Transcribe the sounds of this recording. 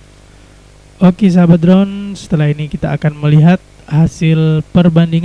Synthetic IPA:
ʔokis̬abad̪ɾɔnsə̥t̪əlaɦinikit̪a̰ːkanməliɦat̪̚hasɪlpərbandiŋ

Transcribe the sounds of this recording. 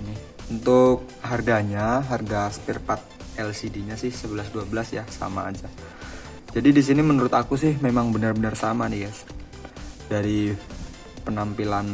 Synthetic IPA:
nɪh | unt̪ʊk̚ɦarɡaɲaɦarɡaspirpat̪̚ɛlsidiɲasɪhsəbəlasduabəlasjahsa̰ma̰ːd͡ʒa | d͡ʒadidis̬inimənuɾʊt̪akusɪhmemaŋbənarbənərsamanijas | daɾi | pənampilan

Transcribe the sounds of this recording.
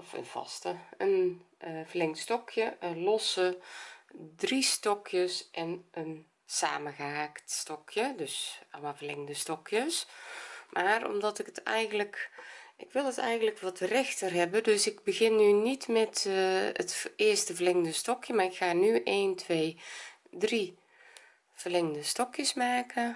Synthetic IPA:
ɔfə̰nvɔ̰stəənəvərlɪŋtstɔkʰjəʔənlɔsə | dristɔkʰjəsʔɛnən | sa̰ːməɣəhaːktstɔkʰjədøsɔ̰lˠmalˠvərlɪŋndəstɔkʰjəs | mʔaːrɔ̰mdɔtɪkətɛjɣənləkɪkʋɪlˠətɛjɣəndləkʋɔtrɛxtərɦɛbədøsɪkbəɣɪnːynitmɛtətɪəstəvərlɪŋəndəstɔkjəmaːrɪkxaːnyʔeːntʰʋeː | dri | v̥ərlɪŋndəstɔkjəsmaːkə

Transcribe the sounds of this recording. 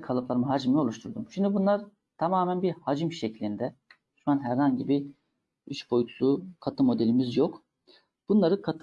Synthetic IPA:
kʰalˠɯplˠaɾɯmɯɦad͡ʒimio̞lˠuʃt̪ʰuɾd̪umʃimd̪ibunlˠaɾ | t̪ʰamaːmænbiɾhad͡ʒɯmʃeclʲind̪ɛd̪y̥ʃmanɦæɾhaɲɟibi | yʃbo̞jut̪ʰulˠukʰat̪ʰɯmo̞d̪elʲimizjok | b̥unlˠaɾɯkʰat̪ʰ

